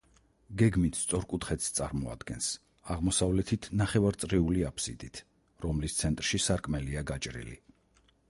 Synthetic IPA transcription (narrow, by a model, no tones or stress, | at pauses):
ɡɛɡmit̪ʰst̪sʼɔɾkʼut̪ʰχɛt̪st̪sʼaɾmɔa̰d̪̥ɡɛns | aʁmɔsavlɛt̪ʰit̪ʰnaχɛvaɾt̪sʼɾiuliapʰsḭd̪it̪ʰ | ɾɔmlist̪sʰɛnt̪ʼɾʃisaɾkʼmɛliaɡat͡ʃʼɾḭlḭ